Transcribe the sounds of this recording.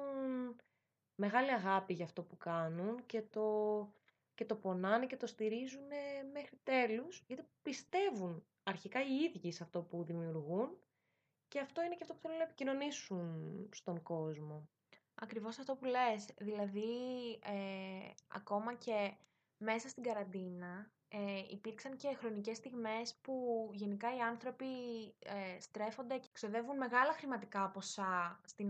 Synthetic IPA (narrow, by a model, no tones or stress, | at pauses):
un | me̞ɣɐliɐɣɐpiʝɐːft̪o̞pukɐnunce̞t̪o̞ | ce̞t̪o̞po̞nɐnece̞t̪o̞st̪iɾizune̞me̞xɾit̪e̞lusʝɐt̪ipist̪e̞vun | ɐɾçikɐiiðʝisɐft̪o̞puðimiuɾɣun | ce̞ɐft̪o̞ineceɐft̪opuθelunɐepicino̞nisunst̪o̞ŋɡo̞zmo̞ | ɐkɾivo̞sɐft̪o̞pule̞sðilɐðie | ɐ̰ko̞mɐce̞ | me̞sɐst̪iɡɐɾɐnd̪inɐ | eḭpiɾksɐɲce̞xɾo̞nice̞st̪iɣme̞spuʝe̞nikɐiɐnθɾo̞piest̪ɾe̞fo̞nd̪e̞cekso̞ðe̞vunme̞ɣɐlɐxɾimɐt̪ikɐpo̞sɐst̪i